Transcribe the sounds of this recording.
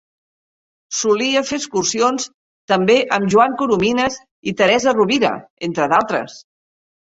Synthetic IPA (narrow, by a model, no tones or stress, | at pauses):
suliəfeəskursions | t̪əmbeʔəmʒuaŋkuɾuminəz | it̪əɾɛzəruβiɾə̰ent̪ɾəðalˠt̪ɾə̰s